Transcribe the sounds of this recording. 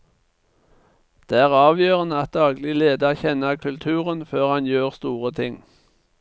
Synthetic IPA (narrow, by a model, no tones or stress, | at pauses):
d̪̥eːæːʁɑːʋjøːʁənəɑt̪̚d̪ɑːɡlɪleːd̪ɑçɛnəʁkʰʉlt̪ʰʉːʁənføːʁhɑnjøːʁst̪uːʁət̪ʰɪŋ